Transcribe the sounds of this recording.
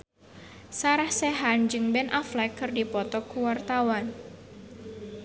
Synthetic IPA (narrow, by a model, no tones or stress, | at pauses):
saɾahsɛɦand͡ʒɨŋbɛnʔaflɛkːɨrdipɔt̪ɔkuwart̪awan